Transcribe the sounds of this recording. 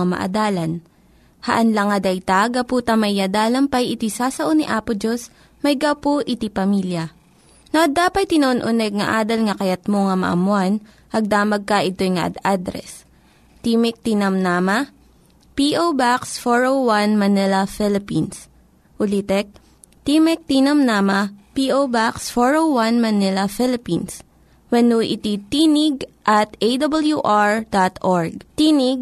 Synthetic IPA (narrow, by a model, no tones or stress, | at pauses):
ɐmɐ̰ʔɐ̰d̪aːlɐn | hɐ̰ʔɐnlɐŋɐd̪ɐjt̪aɡɐpuːt̪ɐmɐjad̪aːlɐmpɐjɪt̪isaːsɐʔoniʔaːpʊd͡ʒos | mɐjɡawpoʔɪt̪ipɐmiljɐ | noʔɐd̪aːpɐjt̪ɪnɐʔonʔʊnɛɡ̚ŋɐʔaːd̪ɐlŋɐkɐjɐt̪̚moŋɐmɐ̰ʔɐ̰mʊan | ʔɐɡ̚d̪aːmɐɡ̚kɐʔɪt̪o̞jŋɐʔɐ̰d̪ad̪ɾɛ̰s | t̪iːmɪk̚t̪ɪnɐmnaːmɐ | piːʔowbaksfoɹowwanmɐnɪlɐfɪlɪpins | ʔʊlit̪ɛk̚ | t̪iːmɛk̚t̪inɐmnaːmɐpiʔowbaksfoɹowwanmɐnɪlɐfɪlɪpins | wɐnuʔɪ̰t̪it̪inɪɡʔɐt̪ʔejd̪ɐbɐljuʔaɹd̪at̪ʔoɹɡ̚t̪iːnɪɡ̚